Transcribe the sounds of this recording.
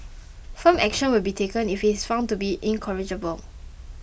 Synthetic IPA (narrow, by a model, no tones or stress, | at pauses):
fə̃mɛkʃə̃nwɪlbitʰekə̃nifitsfãʊ̃ntubiʔĩnkʰəɹid͡ʒəbəl